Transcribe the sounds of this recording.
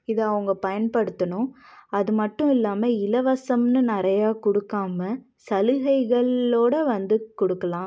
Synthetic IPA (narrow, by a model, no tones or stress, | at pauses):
ɪðɐɐʋɐŋɡɐpɐjɐnpɐɽɯt̪ːɐnʊ̃ɐðɯmɐʈːʊ̃ɪlːaːmɐɪlɐʋɐsɐmnɯnɪɾɐjaːkɔɽɯkːaːmɐ | sɐlɯɣɐɪɣɐɭoːɽɐʋɐnd̪ɯkɔɽɯkːɐlãː